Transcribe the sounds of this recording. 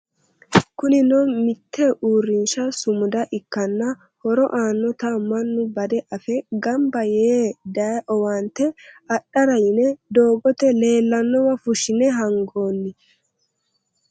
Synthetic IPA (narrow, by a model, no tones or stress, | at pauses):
kʊnɪnɔmɪt̪ʰːɛʔuːrːɪnʃɐsʊmʊd̪ɐʔɪkːɐnːɐ | hɔɾɔ̰ʔaːnːɔt̪ɐmɐnːʊbɐd̪ɛʔɐfɛɡɐmbɐjeːd̪ɐʔɔwaːnt̪ɛɐɗːɐɾɐjɪnɛd̪o̞ːɡɔt̪ɛle̞ːlːɐnːɔwɐfʊʃɪnɛɦɐŋɡo̞ːnːɪ